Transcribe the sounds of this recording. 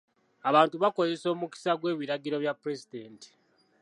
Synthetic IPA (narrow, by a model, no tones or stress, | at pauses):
aβaːntuβako̞ze̞so̞ːmuki̥saɡwe̞ːβiɾaɡiɾo̞βjapɾe̞zideːnti̥